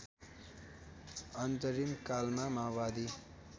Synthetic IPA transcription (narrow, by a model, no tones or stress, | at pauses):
ʌnt̪ʌɾimkalmamabad̪i